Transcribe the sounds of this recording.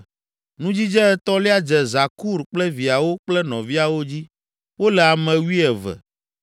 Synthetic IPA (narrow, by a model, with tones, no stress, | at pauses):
nũ˦d͡ʑi˦d͡ʒɛ˦ɛ˦t̪ɔ˦li˦a˦d͡ʒɛ˨za˨ku˦ɾk͡plɛ˦vi˨a˨wo˦k͡plɛ˦nɔ̃˨vi˦a˨wo˦d͡ʑi˦ | wo˦lɛ˨a˨mɛ̃˨wi˦ɛ˨vɛ̰˨